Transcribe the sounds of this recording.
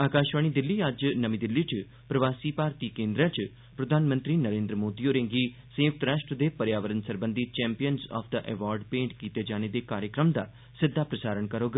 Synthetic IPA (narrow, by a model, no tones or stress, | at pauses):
aːkaːʃʋaːɳ̃iːd̪ɪlːiːəd͡ʒnəmĩːd̪ɪlːit͡ʃ | pɾəʋaːsiːpaːɾt̪iːkẽːnd̪ɾãt͡ʃ | pɾəd̪ʱaːnmə̃nt̪ɾiːnəɾẽːnd̪ɾəmoːd̪ioːɾẽːŋɡi | sə̃jʊk̚t̪ɾaːʃʈɾəd̪eːpəɾjaːʋəɾənsəɾbə̃nd̪it͡ʃɛ̃ːmpijənzɔ̰ːpʰd̪əʔɛ̰ʋaːɾɖpẽːɳʈkiːt̪ed͡ʒaːñed̪eːkaːɾjəkɾəmd̪a̰ː | sɪd̪ʱːaːpɾəsaːɾəɳkəɾoːɡ